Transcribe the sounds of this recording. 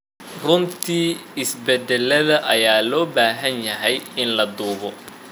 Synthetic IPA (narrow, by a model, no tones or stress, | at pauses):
rʊnt̪ʰiːɪsbɛd̪ɛlːɐðɐʔɐjaːlɔːbaːɦɐnjɐɦɛjɪnlɐd̪uːɣɔ